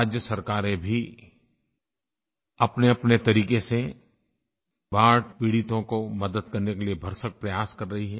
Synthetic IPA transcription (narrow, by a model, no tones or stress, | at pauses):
d͡ʒjəsɐɾkaːɾẽbʱi | ɐpneɐpnet̪ɐɾiːkese | baːɽpiːɽɪt̪õkomɐd̪əd̪̚kɐɾnekeliebʱɐɾsək̚pɾɐjaːskɐɾːɐɦiɦɛː